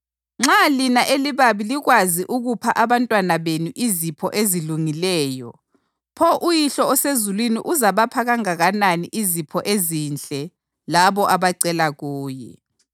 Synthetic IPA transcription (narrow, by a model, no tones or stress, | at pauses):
ŋ͡ǁalinaʔeliβaβiliɣwaziʔuɣupʰaʔaβantʼwanaβenuʔizipʰɔʔeziluŋilɛːjɔ̰ | pʰɔʔujiɬɔɔsezulwinḭʔuzaβapʰaɣaŋaɣananiʔizipʰɔʔezint͡ɬʼɛ | laβɔʔaβaǀɛlaɣuːjɛ̰